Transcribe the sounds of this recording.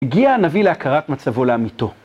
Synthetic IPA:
eɡiaːnavileakʰaʁatmat͡savo̞leamito̞

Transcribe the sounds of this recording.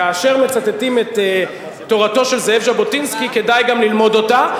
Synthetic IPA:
aːʃe̞ʁme̞t͡satetimeteː | o̞ʁato̞ʃe̞lzehevʒabo̞tinskike̞dajɡamlilmo̞do̞ta

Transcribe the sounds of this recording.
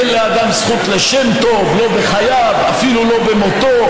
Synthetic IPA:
enlead̪amsχut̪leʃemt̪o̞vlo̞beχajava̰filulo̞bemot̪o

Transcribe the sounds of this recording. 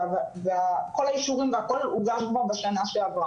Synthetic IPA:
vveakolaiʃuʁimveakoluɡaʃmobaʃanaʃeavʁa

